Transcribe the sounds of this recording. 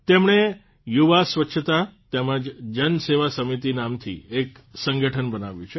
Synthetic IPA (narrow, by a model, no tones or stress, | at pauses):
t̪emɳe | juʋasʋətːʃʰət̪at̪ɛməd͡ʒd͡ʒənseʋasəmit̪inamt̪ʰḭek | səŋɡəʈʰənbənaʋjũt͡ʃʰe